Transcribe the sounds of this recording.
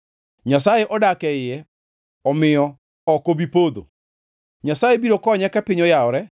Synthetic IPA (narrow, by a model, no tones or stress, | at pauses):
ɲasaeʔɔdakɛɪɛ | ɔmɪɔ | ɔkoβipoːðo̰ | ɲasaːjebiɾokɔɲɛkɛpeɲɔjaɔɾɛ